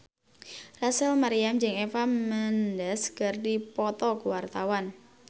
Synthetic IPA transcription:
rasəlmaɾiamd͡ʒəŋefaməndɛskərdipɔt̪ɔkuwart̪awan

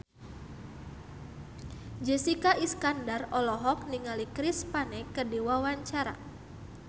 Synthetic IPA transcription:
d͡ʒɛsikaʔiskandarɔlɔɦɔk̚niŋalikɾispanekədiwawaɲt͡ʃaɾa̰

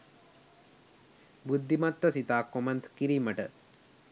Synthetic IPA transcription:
bud̪ʱːimɐt̪ːɐsit̪aːkːomɐnt̪ʰkiɾimɐʈɐ

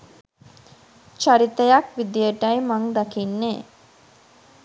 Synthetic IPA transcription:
t͡ʃaɾit̪əjakʋid̪ijəʈɐjmaŋd̪akinːeː

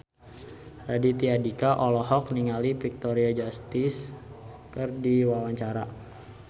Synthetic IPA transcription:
radit̪iadikaʔɔlɔɦɔk̚niŋalipik̚t̪oɾiad͡ʒast̪ɪs | kɨrdiwawaɲt͡ʃaɾa

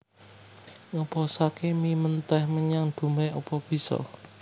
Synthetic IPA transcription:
ɔpɔsakemimənt̪ɛhməɲaŋd̪̥ṳmɛɔpɔb̥i̤sɔ̰

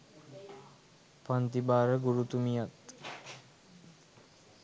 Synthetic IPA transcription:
pant̪ibaːɾəɡuɾut̪umijat̪

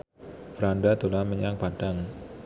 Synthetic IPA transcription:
fəɾandat̪olaməɲaŋpad̥aŋ

